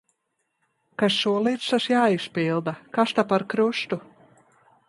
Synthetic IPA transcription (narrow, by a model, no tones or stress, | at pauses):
kasːuɔlˠiːt̪saʃjaːispiːlˠd̪akast̪apaɾkɾuʃt̪u